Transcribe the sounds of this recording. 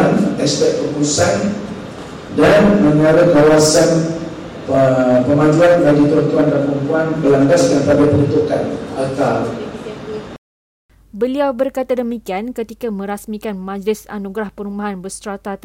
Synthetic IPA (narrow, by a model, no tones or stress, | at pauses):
nɛst̪ɛt̪̚pəkuusan | danmə̃ŋaɾəkawasan | pəmãd͡ʒuanbaɡit̪əant̪uandanpɾumpuanbəlaŋbaskanpadapənut̪ukanalk̪al | bəliawbərkat̪adəmikiankət̪ikamə̃ɾasmikanmãd͡ʒlɪsa̰nuɡɾahpəɾumbaɦanbəst̪ɾat̪at̪